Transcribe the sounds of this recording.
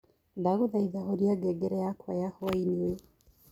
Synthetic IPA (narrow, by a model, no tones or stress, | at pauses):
daɣoðaiðahoɾiaɡɛɡɛɾɛjakwajahɔainie